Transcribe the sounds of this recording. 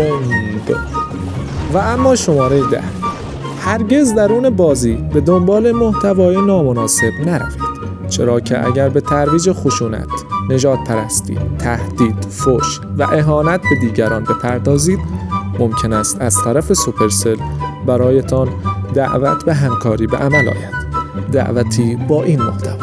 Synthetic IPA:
nd̪ | vææmːɒːʃo̞mɒːɾejed̪æ̰h | hæɾɟe̞zd̪æɾuːne̞bɒːziːbe̞d̪o̞mbɒːle̞mo̞ht̪ʰævɒːjenɒːmonɒːse̞bnæɾæ̰fi̥ːd̪̥ | t͡ʃʰe̞̰ɾɒːcʰe̞̰ʔæ̰ɟæɾbe̞t̪ʰæɾviːd͡ʒexo̞ʃuːnæ̰t̪ne̞d͡ʒɒːd̪̥̚pʰæɾæst̪ḭːt̪ʰːæhd̪̥iːd̪̥foːʃvæ̰ʔe̞ɦɒːnæt̪̚ʰbe̞d̪iːɟæɾɒːnbe̞pʰæɾd̪ɒːziːd̪mo̞mcʰe̞næːst̪æz̥t̪ʰæɾæfesupʰe̞ɾse̞lbæɾɒːjet̪ʰɒnd̪æ̰ʔvæ̰t̪ʰbe̞ɦæmkʰɒːɾiːbeʔæmælɒ̰ːjæd̪̥ːæ̰ʔvæt̪ʰiːbɒːʔiːnmoht̪ʰæv

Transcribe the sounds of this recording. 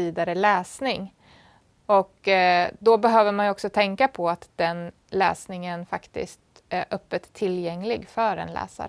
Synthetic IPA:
iːd̪aɾəlɛːsnɪŋ | ɔkd̪ɔbɛɦøːvəɾmanɔksɔt̪ʰɛŋkapʰɔat̪d̪ɛn | lɛ̰ːsnɪŋənfakt̪ɪ̰st̪ | æɾʔœpːət̪ʰːɪljɛŋlɪɡfœɾɛ̰nlɛ̰ːsa̰ɾ

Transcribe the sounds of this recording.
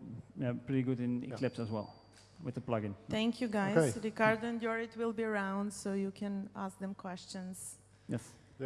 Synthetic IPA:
japɹɪɾiɡʊdɪ̃nḭkʰlɪpsəzwɛ̰lˠ | wɪðəplʌɡɪ̃nθɛ̃ŋkʰjuɡaɪzd̪ɨɡaɹdə̃ndjɔɹɪtwɪlˠbiəɹãʊ̃ndsoʊjukʰɛ̃nask̚ðɛ̃mkʰwɛst͡ʃə̃nz̥ | jɛs

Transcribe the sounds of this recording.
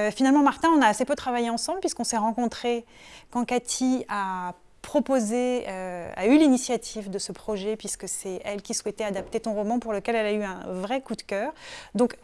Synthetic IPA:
øfinalmɑ̃maʁt̪ɛ̃ɔ̃naːsepøt̪χavajeɑ̃sɑ̃blpɥiskɔ̃sɛʁɑ̃kɔ̃t̪χe | kɑ̃kat̪ʰia | pχɔpozeøa̰ylinisjat̪ʰivd̪əsəpχɔʒɛpɥiskəsɛɛlkʲiswɛt̪ɛad̪ap̚t̪et̪ɔ̃ʁɔmɑ̃puʁləkʲɛlɛlayɛ̃vʁɛkud̪kʲœːʁd̪ɔ̃k

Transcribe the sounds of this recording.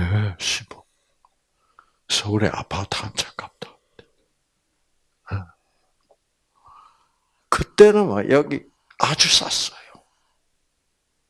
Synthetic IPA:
eɕʰibo | sʌɾḛʔa̰pʰat̪ʰant͡ɕʰḁk͈ap̚t̪ḁ | te̥ | e | kɯt͈enɯnwa̰jʔʌɡi | ad͡ʑus͈a̰s͈ʌ̥jo

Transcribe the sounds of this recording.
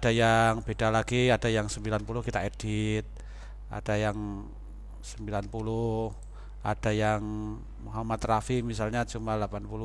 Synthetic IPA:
adajaŋb̥edalaɡiadajaŋsəmbilanpulʊhkit̪aed̥it̪̚ | ʔa̰d̥ajaŋ | səmbilanpulʊh | ʔa̰d̥ajaŋ | muɦamat̪rafimis̬alɲat͡ʃumalapanpulʊ

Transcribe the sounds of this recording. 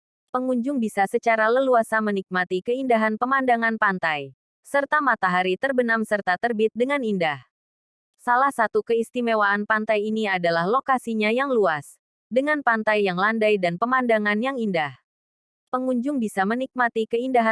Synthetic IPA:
pəŋuɲd͡ʒʊŋbisasət͡ʃaɾaləluasamənik̚mat̪ikəindaɦanpəmandaŋanpant̪aj | sərt̪amat̪aɦaɾit̪ərbənamsərt̪at̪ərbit̪̚dəŋanindah | salahsat̪ukəist̪imewaʔːnpant̪ajiniadalahlokasiɲajaŋluas | dəŋanpant̪ajːaŋlandajdanpəmandaŋanjaŋindah | pəŋuɲd͡ʒʊŋbisamənik̚mat̪ikəindaɦa

